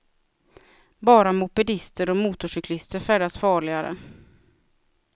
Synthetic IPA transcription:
bɑːɾamʊpɪd̪ɪst̪əɾɔmuːt̪ʊʂʏkʰlɪst̪əɾfæːɖasfɑːɭɪɡaɾə̰

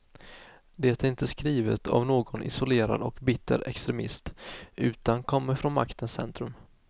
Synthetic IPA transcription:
d̪ɛːt̪æɾɪnt̪əskɾiːvə̰t̪ʰa̰vnoːɡɔnʔɪ̰sʊleːɾa̰d̪ɔkbɪt̪ʰːə̰ɾɛ̰kst̪ɾɛmɪ̰st̪ʉ̟ːt̪ankʰɔmːəɾfɾɔnma̰kt̪ʰənsɛ̰nt̪ɾɵm

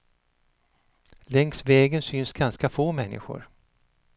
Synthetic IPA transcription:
lɛŋsvɛːɡənsynsɡanskafoːmɛnːɪ̰ɧʊ̰ɾ

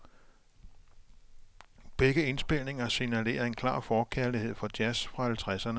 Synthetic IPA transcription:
b̥eɡ̥əe̝nsb̥e̝l̰ne̝ŋɐsinæle̝̰ːɐe̝nkʰlɑ̰̈ːfɒːkʰæɐlihe̝ð̞̰ˠfɒ̽d̥jæsfʁɑ̈hælt͡sʰʁasɐnə

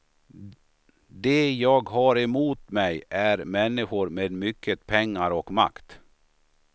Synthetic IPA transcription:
d̪ejɑːɡɦɑɾɛmuːt̪mɛjʔæɾmɛnːɪɧʊɾmeːd̪mʏkʰːət̪pʰɛŋːaɾɔkma̰kt̪

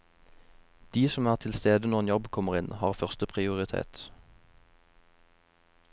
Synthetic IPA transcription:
d̪̥iːsɔmæːʁt̪ʰɪlst̪eːd̪ənɔʁɛnjɔbkʰɔməʁɪnhɑːʁfœʁst̪əpʰʁɪʊʁɪt̪ʰḛːt̪

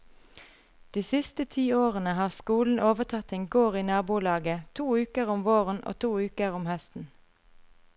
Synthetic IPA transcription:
d̪̥iːsɪst̪ət̪ʰiːoːʁənəhɑːʁskuːln̩ʔoːʋət̪ʰɑt̪ɪŋɡuːʁiːnɑːbuːlɑːɡət̪ʰuːʉːkəʁʊmʋoːʁənʔo̰ːt̪ʰuːʉːkəʁʊmhœst̪n̩

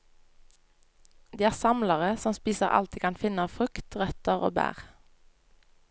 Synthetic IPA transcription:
d̪iːæːʁsɑmləʁəsɔmspiːsəʁɑ̰lt̪iːkʰɑnfɪnəfʁʉkt̪ʁœt̪əʁo̰ːbæ̰ːʁ

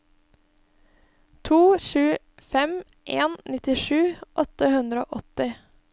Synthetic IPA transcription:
t̪ʰuːʃʉː | fɛm | ʔeːnnɪt̪ɪʂʉːʔɔt̪əhʉnd̪ɾəo̰ːʔɔt̪ɪ

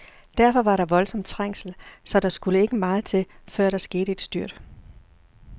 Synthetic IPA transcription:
d̥æɐfɒ̽ʋɑ̈ɾɑ̈ʋɒ̽lsɒ̽md̥t͡sʰʁaŋ̰sl̩sɒ̽d̥ɑ̈sɡ̥uləe̝ɡ̥əmɑ̈ːð̩ˠt͡sʰe̝fɶɐ̰ɾ̥ɑsɡ̥e̝ːɾ̥əe̝d̥sd̥yɐ̰d̥

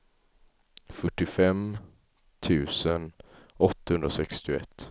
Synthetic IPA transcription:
fœʈːɪfɛm | t̪ʰʉ̟ːsənɔt̪ːahɵnd̪ɾasɛkst̪ɪʊɛ̰t̪ː

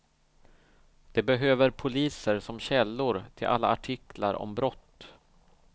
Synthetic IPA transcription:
d̪̥ɛbɛɦøːvəɾpʰʊliːsəɾsɔmɕɛlːʊɾt̪ʰɪlʔa̰lːa̰aʈʰɪkʰlaɾɔ̰mbɾɔt̪ː

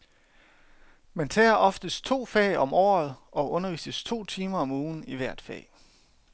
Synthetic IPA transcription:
mænt͡sʰɛ̰ːɐʔɒ̽fd̥əst͡sʰo̝̰ːfɛ̰ːɪɒ̽mɒ̰ːð̩ˠʔɒ̽ʔɔ̽nɐʋḭːsəst͡sʰo̝̰ːt͡sʰiːmɐɒ̽muːn̩iʋæɐ̰d̥fɛ̰ːɪ

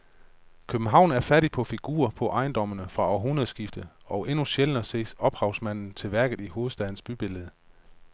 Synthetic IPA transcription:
kʰøb̥n̩ɦɑ̈ʊ̰n̩æɐfæɐɾipʰɒ̽fiɡ̥ṵːɐpʰɒ̽ʔɑ̈ɪnd̥ɒ̽m̰ənəfʁɑ̈ɒɐɦunɐð̩ˠsɡ̥ifd̥əɒ̽ʊʔe̝nuɕelənɐse̝̰ːsɒ̽b̥hɑ̈ʊsmæn̰n̩t͡sʰe̝lʋæɐɡ̥ð̩ˠiho̝ːð̩ˠsd̥ɛðˠn̩sb̥yb̥e̝ləð̩ˠə

